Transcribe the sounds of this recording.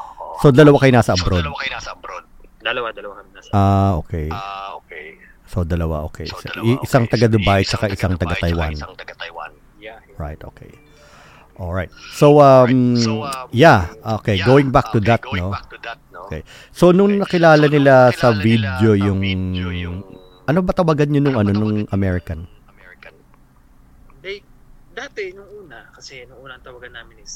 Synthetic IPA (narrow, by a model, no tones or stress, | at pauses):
sod̪ɐlɐwakɐjonasɐʔɐbɾod̪̚ | ʔaːʔo̰ːkɛj | sod̪ɐlɐwa̰ʔo̰ːkḛjsʔɪsaŋt̪ɐɡɐd̪ʊbajt͡ʃɐkaʔɪsaŋt̪ɐɡɐt̪ɐjwa̰n | ɹa̰jt̪ʔo̰ːkʰḛj | ʔolɹajt̪̚so̞wʔɐm | jaʔokejɡoːwɪ̃ŋbak̚t̪ʊd̪ɐt̪̚noʔokḛj | sonʊŋnɐkɪlaːlɐnɪlasɐvid̪jo̞jʊŋ | ʔɐnobɐt̪ɐwaːɡɐnɲonʊŋɐno̞nʊŋʔɐmɛɹɪkɐn | d̪at̪ɛnʊuːnɐkɐsɛnʔuːnɐt̪ɐwaɡɐnːaːmɪn